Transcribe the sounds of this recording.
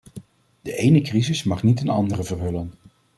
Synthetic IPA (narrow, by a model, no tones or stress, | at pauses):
d̥əʔejnəkrizɪsmɑχnitənɑ̰ndərəvərɦɵlən